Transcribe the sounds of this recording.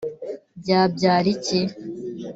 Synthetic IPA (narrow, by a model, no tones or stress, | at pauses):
bɟaːb̚ɟaːɾice